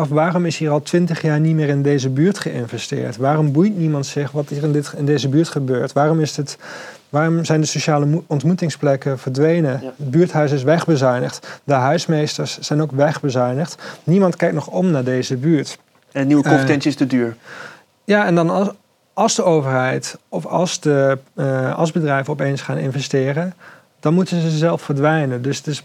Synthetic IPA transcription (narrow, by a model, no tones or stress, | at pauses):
ɔfʋaːrɔmɪsɦiːrɑlˠtʋɪntəχjaːɹnitmɪːɹɪndejzəbyːɹtχəɪ̰nvɛstɪ̰ːɹtʋaːrɔmbujtnimɑntsɪχʋɑtiːrɪndɪtɪndejzəbyːɹtχəbøːɹtʋaːrɔmɪsət | ʋaːrɔmzɛjndəsoʃaːləɔntmutɪŋsplɛkəvəɹdʋejnəədbyːɹtɦœɥs̬ɪs̬ʋɛχbəzœɥnəχtdəɦœɥsmejstəɹsːɛjnokʋɛχbəzœɥnəχtnimɑntkɛjk̚tnɔχɔmnaːɹdejzəbyːɹt | nəniwəkɔmpətɛnsəɪstədyːɹ | jaɛndɑn | ɑlˠzdəowvəɹɦɛjtɔfɑ̰lˠzdə | ɑ̰lˠzbədrɛjvənɔpejnsχaːnɪ̰nvɛstɪːrən | d̥ɑnmutənzəzɛlˠffəɹdʋɛjnəndɵsətɪs